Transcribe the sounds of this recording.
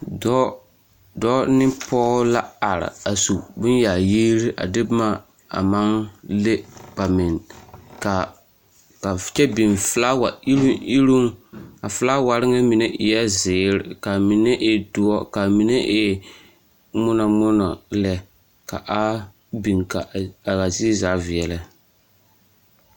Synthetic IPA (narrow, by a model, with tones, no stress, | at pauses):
dɔ˦ | dɔ˦nɪ˦pɔː˦la˦a˨ɾɪ̰˨a˨su˨bʊ˦nja˨jiː˦ɾi˦ʔa̰˨dɪ˦bma˦ | a̰˨ma˦ŋle˦b̥a˨mɪ˨nka˨ | ka˨t͡ʃɛ˦bi˨nfla˦wa˨i˦li˦ɾu˦ŋa˨fɨ˦la˦wa˨ɾɪ˦ŋɛ˦mi˨ne˦ʔɪ˨jɛ˦zɪː˨ɾɪ˨ka˨mi˨nɛ˦ʔɪ˦dʊ˦ɔ˦ka˨mi˨ne˦ʔɪ˦ | mʊ˦nɔ˨mʊ˦nɔ˨lɛ˨ | ka̰˨ʔa˦ | bi˨ŋka˨a˨ɣa˨zi˦zaː˨˦vɪ˨ɛ˨lɪ˦